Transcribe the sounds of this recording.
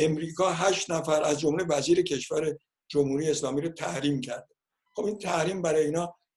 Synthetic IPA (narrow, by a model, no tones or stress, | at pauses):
ʔe̞mɾiːkɒːɦæʃt̪næfæɾʔæzd͡ʒo̞mlevæziːɾe̞cʰe̞ʃvæɾe̞ | d͡ʒomhuːɾijeːslɒːmiːɾot̪ʰæhɾiːmcʰæɾd̪e | χobint̪ʰæhɾiːmbæɾɒːjeiːnɒː